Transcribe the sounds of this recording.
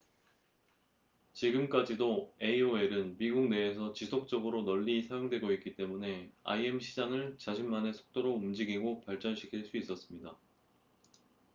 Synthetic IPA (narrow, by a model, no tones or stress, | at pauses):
t͡ɕiɡɯmk͈ad͡ʑidoe̞ioe̞ɾɯnmiɡuk̚ne̞ːsʰʌt͡ɕisʰok̚t͡ɕ͈ʌɡɯɾonʌʎːisʰajoŋdwe̞ɡoik͈it͈e̞mune̞a̰ie̞mɕʰid͡ʑaŋɯɭt͡ɕaɕʰimmane̞sʰo̥k̚t͈oɾoumd͡ʑiɡiɡopaɭt͡ɕ͈ʌnɕʰi̥kʰiɭs͈uis͈ʌs͈ɯmɲida